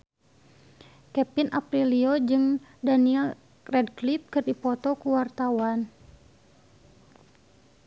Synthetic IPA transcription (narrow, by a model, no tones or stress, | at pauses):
kɛpinʔapɾiliod͡ʒɨŋdaniɛl | rɛdklip̚kɨrdipɔt̪ɔkuwart̪awan